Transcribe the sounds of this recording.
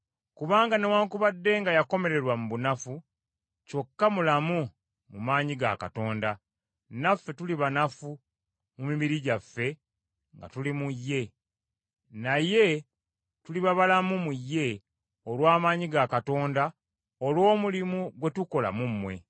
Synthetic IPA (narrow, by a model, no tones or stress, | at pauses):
kuβaːŋɡane̞waːŋkuβadːe̞ŋɡajako̞me̞ɾe̞ɾwamuβunafu | co̞kːamulamu | mumaːɲiɡa̰ka̰to̞ːnda | nafːe̞tuliβanafu | mumiβiɾiɟafːe̞ | ŋɡa̰tulimujːe̞ | naje̞ | tuliβaβalamumujːe̞ | olwaːmaːɲiɡakato̞ːnda | olwo̞ːmulimuɡwe̞tuko̞la̰mumːwe̞̰